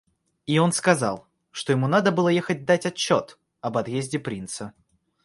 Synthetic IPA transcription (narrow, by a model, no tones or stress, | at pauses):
io̞nskɐzɑ̰lˠ | ʂt̪o̞jɪmunad̪əbɨlˠəjexət̚ʲd̪atʲɐt͡ɕːo̞t̪ | ɐbɐt̪jezʲdʲɪpɾʲint̪sə